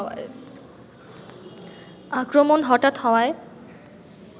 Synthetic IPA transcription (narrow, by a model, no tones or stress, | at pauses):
a̰j | akɾomonɦɔʈat̪hɔae